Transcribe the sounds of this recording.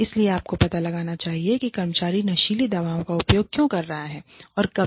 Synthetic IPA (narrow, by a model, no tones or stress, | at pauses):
ɪslieaːp̚kopɐt̪alɐɡaːnat͡ʃaːɦiekikɐɾmət͡ʃaːɾinɐʃiːlid̪ɐʋaːõkaʊpjoːɡ̚kjõkɐɾːɐɦaɦɛːɔːɾkɐ